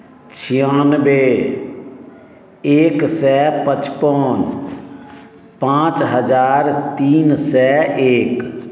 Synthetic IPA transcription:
t͡ʃʰijãːnbe | eːksɛpət͡ʃpɔːn | pãːt͡ʃɦəd͡ʒaːɾt̪iːnsɛeːk

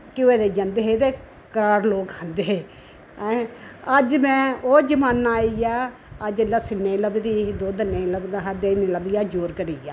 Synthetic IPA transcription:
kɪeːd̪eːd͡ʒə̃nd̪eɦeːt̪eː | kəɾaːɾloːkhənd̪eːɦeː | əd͡ʒmɛ̃ːoːd͡ʒəmaːnaːijaː | əd͡ʒəlasɪnːeːləbd̪iːd̪oːd̪ənːeːləbd̪aɦad̪eːnĩləbd̪ijaːd͡ʒoːɾkəɽiːjaː

